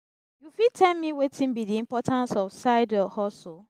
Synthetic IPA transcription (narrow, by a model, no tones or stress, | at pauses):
jufitʰɛlmiwetʰĩnbidiĩmpɔtʰãnsɔfsaɪdɛhɔs